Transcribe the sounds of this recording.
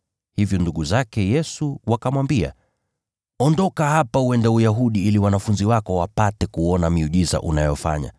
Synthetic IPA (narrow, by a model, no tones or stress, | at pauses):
hivjɔnduɠuzakɛjɛsuwakamwambia̰ | ɔndɔkahapauwɛndaujaɦuɗiiliwanafunziwakɔwapatɛkuɔnamiuʄiza̰ʔunajɔfa̰ɲa̰